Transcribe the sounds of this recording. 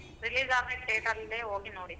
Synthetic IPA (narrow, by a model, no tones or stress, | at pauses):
ɾiliːzaːɡnekʈeːʈɐlːeːɦoːɡinoːɽi